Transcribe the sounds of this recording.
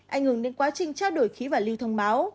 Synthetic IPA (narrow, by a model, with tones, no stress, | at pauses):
ʔa˧jŋ̟hɨ˧˩ŋɗe˨˦nkwaː˨˦t͡ɕï˨˩ŋ̟t͡ɕaː˦˥ɗo˧˩jxi˨˦vaː˨˩li˧wt̪ʰə˧wŋ͡mɓaː˨˦w